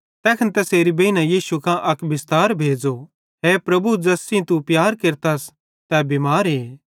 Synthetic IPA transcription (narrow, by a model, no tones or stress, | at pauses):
t̪ɛːkʰɐnt̪ɛseːɾibɐinãjiːsukãʔɐkbɪst̪aːɾbʱeːd͡ʒo | ɦeːpɾɐbud͡ʒɐsĩt̪upjaːɾkeɾt̪aːs | t̪ɛbimaːɾɦeː